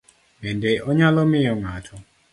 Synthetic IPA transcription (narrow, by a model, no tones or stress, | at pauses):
mɛndɛʔɔɲalɔmɪjɔŋatʰɔ